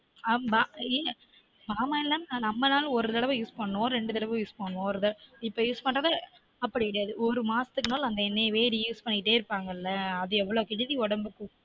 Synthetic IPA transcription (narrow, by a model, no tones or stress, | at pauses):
amaːi | maːmaːɪlːaːnnãːnɐmːɐnaːlɔɾɯt̪ɪɽɐʋɐ̃juːspɐɳːõːɾɛɳɖɯt̪ɪɽɐʋɯ̃juːspɐɳːʋõɔɾɯt̪ɐɪpːoːjuːspɐʈːaːðaː | ɐpːɐɽɪɐɽɯjaːðɯʔɔɾɯmaːsɐ̥t̪ɯkːɯnaːlɐnd̪ɐɛnːeːʋeːɾijuːspɐɳːɪkɪʈːeːɪɾɯpːaːŋɡɐɪlːɐɐðɯɛʋːɐɭoːkɪd͡ʒɐðiɔɽɐmbɯkːɯ